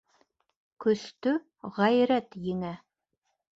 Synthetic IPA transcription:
kɵ̆st̪ɵ | ʁæjɾæt̪jɘ̆ŋæ

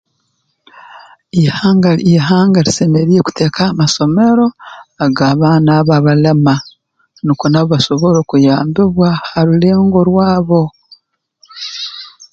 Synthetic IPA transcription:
ihaŋɡaiɦaːŋɡaɾise̞me̞ɾijeku̥te̞ːkaːmaso̞me̞ɾo̞aɡaːβaːnaβaβalema | nikonaβaʃo̞βo̞ɾokujaːmbiβwahaɾule̞ːŋɡo̞ɾwaːβo̞

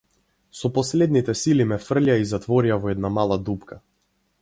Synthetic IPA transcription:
sɔpɔslɛd̪nit̪ɛsilimɛfr̩laizat̪vɔɾiavɔɛd̪namalˠad̪upkʰa

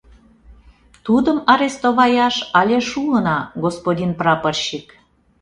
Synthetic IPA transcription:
t̪ud̪əmɑɾest̪oβɑjɑʃɑlʲeʃuənɑɡospodʲinprɑpərɕik

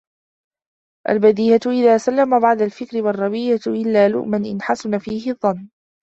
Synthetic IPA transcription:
ʔa̰lbad̪iːjat̪ʔɪðaːsalːamabaʕd̪ˤalfɪkɾɪwɑrˤːɑbiːjaʔɪlːaːlʊ̰ʔmanʔɪnħasʊnafiːhɪðˤːɑnː

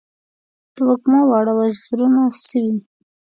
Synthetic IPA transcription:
d̪̥əwakmɑwɑɽawaɾunasəwi

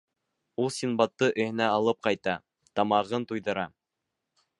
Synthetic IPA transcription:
ulˠsʲinbɑt̪ːɤʔɘ̆hɘ̆næɑlˠɤp̚qɑjt̪ɑ | t̪ɑmɑʁɤnt̪ujðɤ̆ɾɑ

